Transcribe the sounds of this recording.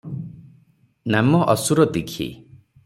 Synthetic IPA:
namɔʔɔsuɾɔd̪ikʰḭ

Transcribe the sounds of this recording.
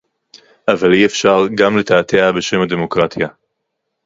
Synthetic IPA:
ʔavaliefʃaʁɡamlet̪aːt̪ʰeabeʃe̞mad̪emokʁat̪ʰja

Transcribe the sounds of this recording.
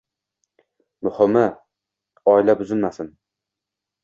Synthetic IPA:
mʊhʊmɪ | ɒɪlabʊzɪnmasɪn

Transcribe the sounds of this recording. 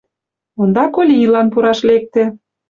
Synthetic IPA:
und̪ɑkolʲiilɑnpuɾɑʃlek̚t̪ĕ

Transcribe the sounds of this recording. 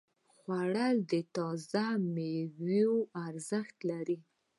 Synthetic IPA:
xwaɽəld̪ət̪ɑzamewioaɾzəxt̪laɾi

